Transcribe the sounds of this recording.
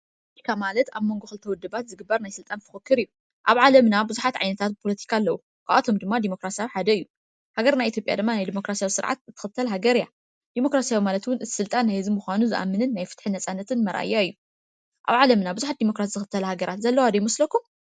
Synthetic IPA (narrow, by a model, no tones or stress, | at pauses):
pʰoolot̪ʰi̥kʰamalɐt̪aβmo̞ŋɡoxɨlt̪ʰɐwɔd̪ːɨbat̪zɨɡɨbːɐɾnajsɨlt̪ʼanfʰɨ̥xɨkːɨɾɨjːu | ʔaβʕalɐmnabɨzuħat̪ʕa̰jnɐt̪ʰat̪̚ɨpʰo̞lɐt̪ʰi̥kʰalːɐwu | kʰaʔat̪ʰo̞md̪ɨmːad̪imo̞kɾasijawiħad̪ɐɨjːu | haɡɐɾnajit̪ʰjo̞pʼja̰d̪ɨmːanajd̪imo̞kɾasijawisɨɾʕa̰t̪zɨt̪ʰːɨ̥xɨt̪ʰːɐlɦaɡɐɾija̰ | d̪̥imo̞kɾasijawimalɐt̪wʊnɨt̪ʰi̥sɨlt̪ʼanːajhɨzimuxʷanuzɨʔa̰mːɨnɨnːajfɨ̥t̪ħɨnːɐsʼanːɐt̪ʰɨnmɐɾʔa̰jːaɨjːu | ʔaβʕalɐmnabɨzuħat̪̚d̪imo̞kɾasiz̥ɨxɨt̪ʰːɐlhaɡɐɾat̪zɐlːɐwad̪ɐjmɐslɐkːum